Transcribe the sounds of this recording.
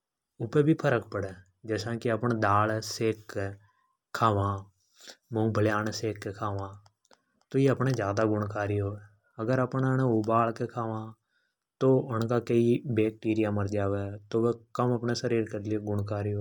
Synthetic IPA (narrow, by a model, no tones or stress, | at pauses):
ʊpeːbʱiːpʰəɾəkpəɽeː | d͡ʒɛːsãːkɪəpɳed̪aːlseːkːe | aːʋãː | mõːbʱəljaːnseːkːekʰaːʋãː | t̪oːeːəpɳeːzjaːd̪aːɡʊɳkaːɾijoː | əɡəɾəpɳənːʊbaːlkekʰaːʋãː | t̪oːʊnkaːkəiːbeːk̚ʈiːɾɪjaːməɾd͡ʒaːʋeːt̪oːʋekəməpɳeːsəɾiːɾkəɾliɡʊɳkaːɾɪoː